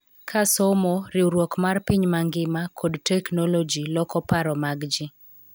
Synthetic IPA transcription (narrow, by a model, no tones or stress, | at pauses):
kʰasɔmɔɾɪuɾwɔkmarpiɲmaŋɡɪmakʰodtɛknolod͡ʒilɔkɔpaɾɔmaɡd͡ʒɪ